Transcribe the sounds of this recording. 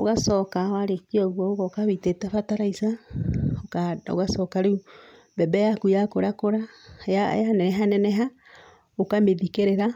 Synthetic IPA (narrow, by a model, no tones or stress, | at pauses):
o̰ɣasɔkawaɾekiɔɣwɔoɣɔkaβitetafataɾaisaokao̰ɣasɔkaɾeu | bɛbɛjakujakoɾakoɾajajanɛɛɦanɛnɛɦa | okameðikeɾeɾa